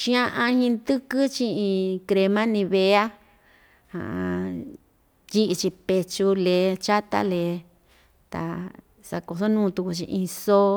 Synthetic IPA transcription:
ʃĩ˦ã˧˦ʔã˧hĩ˧nd̪ɨ˦kɨ˦t͡ʃĩ˧ĩ˧kɾe˧mã˦nĩ˧βe˧a˦ | hã̰˨ʔ | ji˦ʔi˧t͡ʃi˧pe˧t͡ʃu˧le˧˦t͡ʃa˦t̪a̰˦le˨ | t̪a̰˨ | sa̰˧ko˧so˦nũː˦˧t̪u˧ku˧t͡ʃḭ̃˧ʔĩ˧so˦

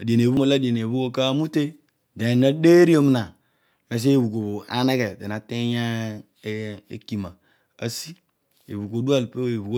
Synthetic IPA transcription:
a˨di˨e˨ne˨βu˦mo˦˨la˦de˨n˨e˨βu˦o˦ka˦mu˦te˦ | de˨na˦de˦ɾi˦o˦mi˦na˨ | me˨s̬e˦˨βu˨ko˨βo˨a̰˦ne˦ke˨de˨n˨a˨te˦ja˦ | ḛ˦ki˨ma˨ | a˦si˦ | ḛ˨βu˨ko˨˦du˦a˦lpe˦˨e˨βu˨ko˦

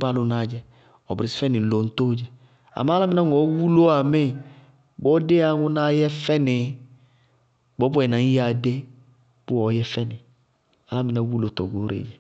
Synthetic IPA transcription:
ba˦lʊ˦naː˨˦d͡ʒɛ˦ | ɔ˨bɾɪ˨si̥˦fɛ˦nɪ˨n̩˨˦lo˨˦n̩˦to˦d͡ʒɛ˦ | a̰˨mã˦la˦mɪ˦na˦ŋ˨ɔ˨˦wu˦lo˦a˨mɪ˦˨ | ɡ͡bɔ˦de˦a˨˦ŋʊ˦na˦jɛ˦fɛ˦nɪ˨˦ | ɡ͡bɔ˨˦bɔ˦ɛ˨na˨˦a˨de˦ | b̥ʊ˦ɔ˨˦jɛ˦fɛ˦nɪ˨ | a˨˦la˦mi˨na˦wu˦lo˦tɔ˨ɡo˨˦ɾḛ˨d͡ʒɛ˨

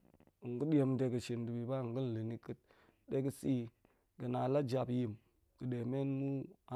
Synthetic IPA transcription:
ŋ˨ɡɨ˦ɗi˦e˧mde˧kə˨ʃi˨ndu˨bi˨ba˦˨ŋ˨ɡɨ˦n̩˨lɨ˨ni˨kɨ˦t̚ | ɗe˦kə˦si˦ | kə˨na˨la˦d͡ʒa˧pji˨m | kɨ˨ɗe˨me˦nmu˦a˨

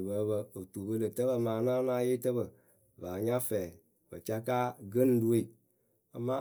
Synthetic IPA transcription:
bə˨˦bə˧o˨tu˨bə˦lə˨tə˦bə˨maː˨˦na˦na˦je˦tə˦bə˨ | baː˨ɲa˦fɛː˨ | bə̰˨t͡ʃa˦ka˦ɡə˦n˦du˦e˦˨ | a˨mːa˦

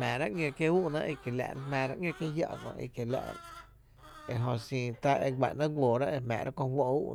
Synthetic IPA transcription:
mɛ̃ː˨ɾa˦ʔŋʲõ˧ke˧uː˦ʔnã̰˧ʔi˧˨ke˨la̰˧˨n˦mɛ̃ː˧˨ɾa˦ʔŋjõ˧kje˦ja̰˧ʔkõ̰˧ʔḭ˧˨ke˨la̰˧ʔɾ̰ | e˧˨ɦõ˧sĩː˧t̪a˦ʔe˧ɡʷa̰˨ʔnã˦ɡʷoː˨ɾa˦ʔe˧mɛ̰̃ː˨ɾʔa˦kõ˧ɦwo˧ṵ˦ʔ

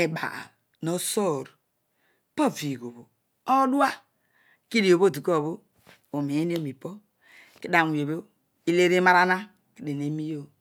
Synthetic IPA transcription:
e˨ba̰˨ | no˦so˦˨ɾ | po˦˨vi˨ɡo˨βo˨ | o˦du˦a˦ | ki˦di˨o˨bo˦˨di˨ko˦˨βo˦ | o˨mi˨e˦o˦˨mi˨po˦ | ki˦da˨ŋ˨e˨bo˦ | i˦le˦ɾe˦ma˦ɾa˦na˦ | ki˦de˨ne˨˦mi˦jo˦

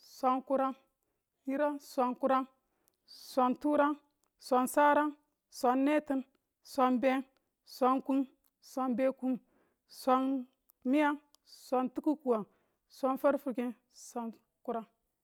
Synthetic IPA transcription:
sʷa˨nku˦ɾa˦n | ji˦ɾa˦sʷa˨nku˦ɾa˦n | sʷa˨ntu˦ɾa˦n | sʷa˨nsa˦ɾa˦n | sʷa˨nːe˦ti˦n | sʷa˨nbe˦n | sʷa˨nku˦n | sʷa˨nbe˦ku˦n | sʷa˨n | mi˦ja˦ŋ | sʷa˨ntu˦ku˦ku˨wa˨ | sʷa˦nfa˦ɾfu˨ki˦ | sʷa˨n | ku˦ɾa˦ŋ

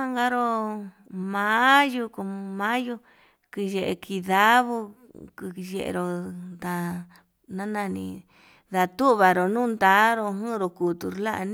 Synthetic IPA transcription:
a˦ŋɡa˦ɾo˧ | mã˨˦ju˧ko˧mã˦ju˧ | ki˧je˨ʔe˧kʰi˧ða˦βu˧ | kɨ˧je˧ʔḛ˧ɾo˧nd̪a˧ | nã˦nã˧nḭ̃˧ | ða˧t̪u˦˧βa˨ɾo˨nũː˦˧nd̪a˨˦ɾo˧ɦũ˦˧ɾo˧ku˨t̪u˧ɾla˦ʔñ˦

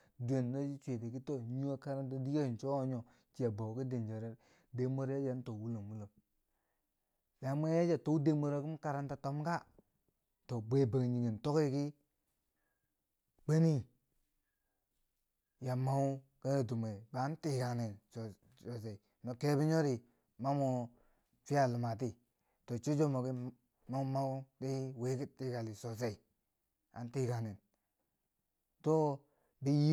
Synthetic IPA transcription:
du˨e˨nː˨o˦d͡ʒi˦t͡ʃʷe˨te˨ki˦to˦ɲu˦wa˦ka˦ɾa˦nta˦di˦ɡe˦˨n˨t͡ʃo˦o˦ɲo˨ | t͡ʃi˦a˨bo˨ki˦de˨n˨d͡ʒa˨ɾe˦ | de˨˦mo˦ɾja˦d͡ʒa˨˦to˨wu˦lo˨mwu˦lo˨m | ja˨˦mo˦ja˦d͡ʒa˨to˨˦u˦de˦mo˦ɾa˨ki˦m˦ka˨ɾa˨nta˦to˦m˦ka˦ | to˨bʷe˦ba˨ɡɲi˨ɡe˨n˨to˦ki˦ki˦ | k͡pe˦ni˦ | ja˨ma˦u˦ | ke˦ɾe˨du˨me˨ba˨˦n˦ti˦ɡa˨ne˨n˨ | o˨s̬e˨i˨ | no˨ke˦bi˦ɲo˦ɾi˨ | ma˦mo˨ | fi˦a˦˨lu˨ma˨t̬i˦ | to˨t͡ʃo˦d͡ʒo˦mo˨ki˦ | ma˦ma˦u˦di˦we˦ki˦ti˦ɡa˨li˨so˨s̬e˨i˨ | a̰˨n˦ti˦˨ɡa˨ne˨n | to˦ | bi˦ji˦

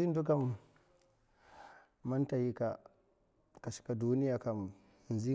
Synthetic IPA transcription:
i˦n˦du˦ka˦m | a˦nta˨ji˦ka˨ | ka˨si̥˨ka˨du˦ni˦ja˨ka˨m˨ | n˨zi˦

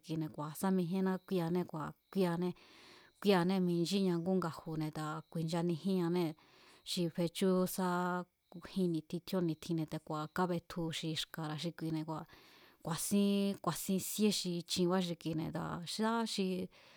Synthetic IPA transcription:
ki˧nẽ˨kʷa˨sa˦mĩ˧ɦẽ˦nã˦kʷi˧˦a˧nẽ˧kʷa˨kʷi˦a˧nẽ˧kʷi˦a˧nẽ˦˧mĩ˧nd͡ʒi˦ɲã˧ŋɡu˦ŋɡa˧hu˨nẽ˧t̪a˨kʷi˨nd͡ʒa˧nĩ˧hĩ˦ã˧nẽ˦ | ʃi˧ɸe˧t͡ʃu˦sa˦˧ | hĩ˧nĩ˧t̪ʰi˧t̪ʰjo˦nĩ˧t̪ʰĩ˧nẽ˧t̪e˧kʷa˨ka˦βe˧t̪ʰu˧ʃi˧ʃka˧ɾa˧ʃ̬i˧kʷi˧nẽ˧kʷa˨ | kʷa˨sĩ˦kʷa˨sĩ˧sje˦ʃi˧t͡ʃĩ˧βa˦ʃ̬i˧ki˧nẽ˧t̪a̰˧ʃa˦ʃi˧

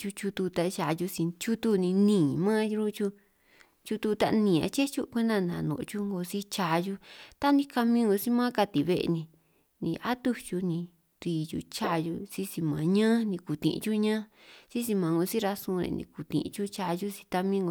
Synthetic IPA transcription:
t͡ʃu˧t͡ʃu˧t̪u˧t̪a˧ʃa˧˨˧ju˧si˧t͡ʃu˦t̪u˦nĩ˧nĩː˨˧mã˦ju˧ɾu˦t͡ʃu˧˦ | t͡ʃu˧t̪u˧t̪a̰˧ʔnĩ˨a̰˧t͡ʃe˦t͡ʃu˦kʷe˦nã˧˨nã˨nõ̰˨˧t͡ʃu˦ŋɡo˧si˦t͡ʃa˧ju˧t̪a˦nĩ˦ka˧mĩː˦ŋɡo˧si˦mã˦ka˧t̪i˨βe˧ʔḛ˧nĩ˧ | nḭ̃˧ʔa˦t̪u˦t͡ʃu˧nĩ˧ | t̪i˧˨jṵ˧t͡ʃa˧ju˧si˦si˧mã˨ɲã˦nĩ˧ku˨t̪ḭ̃˧ʔt͡ʃu˦ɲã˦si˦si˧mã˨˧ŋɡo˧si˦ɾa˧sũ˧ɾḛ̃˧nḭ̃˧ku˨t̪ḭ̃˨ʔt͡ʃu˦t͡ʃa˧ju˦si̥˧t̪a˧mĩ˦ŋɡo˧

